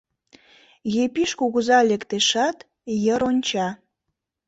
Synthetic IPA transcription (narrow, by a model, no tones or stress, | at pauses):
jepiʃkuɣuzɑlekt̪eʃɑt̪ | jəɾonʲt͡ɕɑ